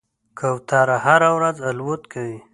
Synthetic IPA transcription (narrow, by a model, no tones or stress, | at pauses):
kʰawt̪ɑɾahaɾawɾazalwot̪kʰawi